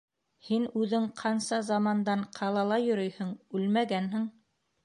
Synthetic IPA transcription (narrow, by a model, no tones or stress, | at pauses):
hinʉðɘŋqʰɑnsɑzɑmɑnd̪ɑɴqʰɑlˠɑlˠɑjɵ̆ɾɵjhɵɴʉlmæɡænhɘ̆ŋ